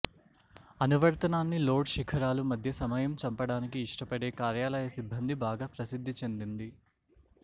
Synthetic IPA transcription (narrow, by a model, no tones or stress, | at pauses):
ɐnuʋɐɾt̪ɐnaːnːilo̞ːɖʃikʰɐɾaːlumɐd̪ʱjɐsɐmɐjɐmt͡ʃɐmpɐɽaːnikiːʂʈɐpɐɽe̞ːkaːɾjaːlɐjɐsibʱːɐnd̪ʱibaːɡaːpɾɐsid̪ʱːit͡ʃe̞nd̪ind̪i